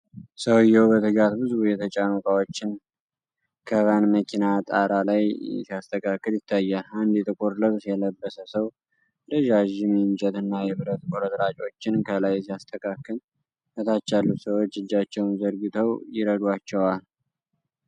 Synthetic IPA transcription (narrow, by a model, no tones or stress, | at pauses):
səwjːɛwbət̪ʰɨɡat̪bɨzbujɛt̪ʰət͡ʃʼaməkʼawot͡ʃːɪn | kʰəβanməkʰinat̪ʼaɾalajsiast̪ʰəkʰakːɨljɪt̪ʰːajːaland̪ɛt̪ʰɨkʼoɾləβsjɛləbːəsəsəw | ləʒaʒɪmiɪnt͡ʃʼɛt̪ɨnːajɛβɨɾət̪kʼoɾət̪ʼɾat͡ʃʼo̞t͡ʃːɪnkʰəlajsijast̪ʰəkʰakːɨl | kət̪ʰat͡ʃːalːut̪səwo̞t͡ʃːɨd͡ʒːat͡ʃːɛwnzəɾɡɨt̪ʰəwjɪɾəd̪wat͡ʃːɛwal